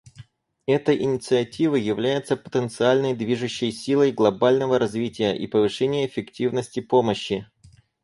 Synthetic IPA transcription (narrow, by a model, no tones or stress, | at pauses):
ɛt̪əjʔɪnʲɪt̪sɨɐtʲivəjjɪvlʲæjɪt̪səpə̥t̪ənt̪sɨalʲnəjd̪vʲiʐɨɕːɪjsʲilˠəjɡlˠɐbalʲnəvəɾɐzvʲitʲɪjə̰ʔḭpəvɨʂɛnʲɪjəɪfʲɪktʲivnəsʲtʲɪpo̞məɕːɪ